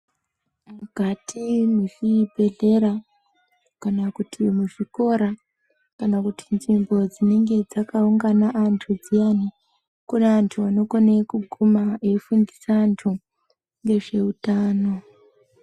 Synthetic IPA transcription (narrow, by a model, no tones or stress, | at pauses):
mukatʰimiʂibʱe̞ɮe̞ɾa | kanakutʰimuʐiko̞ɾa | kanakutʰi̥nʐimbo̞d͡zine̞ŋɡe̞d͡zakauŋɡanaʔantʰud͡zijani | kunaantʰuano̞konekuɡʱumaeifundisaːntʰu | ŋɡe̞ʐe̞utaːno̞